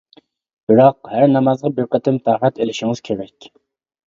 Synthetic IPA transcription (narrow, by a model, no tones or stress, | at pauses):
b̥ɪɾɑqhæɾnɑmɑzʁɑbɪɾqət̪ʰɪmt̪ʰɑɾɛt̪elɪʃɪŋɨz̥kʲʰeɾɛkʲ